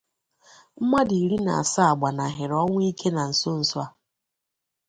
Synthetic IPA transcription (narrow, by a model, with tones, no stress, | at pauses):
m̩˦ma˦di˨i˨ɾi˦na̰˨a˨sa˦a˨ɡ͡ba˨na˨ɦɪ˨ɾɔ˦ŋʷʊ˦i˦kʰe˦na˨n̩˨so˦n̩˨sa˦